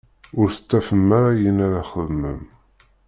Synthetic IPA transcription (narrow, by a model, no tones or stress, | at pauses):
ʊɾθə̥t͡s̪ːæfəmːaɾajənaɾaχəðməm